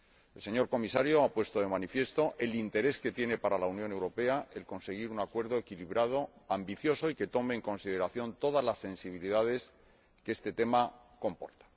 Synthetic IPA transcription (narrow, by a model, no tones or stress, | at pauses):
else̞ɲo̞ɾko̞misaɾjo̞apwe̞st̪o̞ðe̞manifje̞st̪o̞ʔe̞lint̪e̞ɾe̞ske̞t̪je̞ne̞paɾalaunjo̞ne̞wɾo̞pe̞aʔelko̞nse̞ɣ̞iɾunakwe̞ɾðo̞ekiliβɾað̞o̞ambiθjo̞so̞ike̞t̪o̞me̞ːŋko̞nsið̞e̞ɾaθjo̞nt̪o̞ðazlasːe̞nsiβiliðað̞e̞s | kee̞st̪e̞t̪e̞ma | ko̞mpo̞ɾt̪ḁ